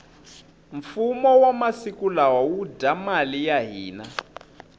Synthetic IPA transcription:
ɱfumɔwamasikulawawudamalijaɦiːna

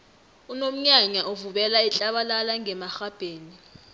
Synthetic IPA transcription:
unom̩ɲaɲaʔuvuɓɛlait͡ɬʼaɓalalaŋɛmaxab̥ʱeːni

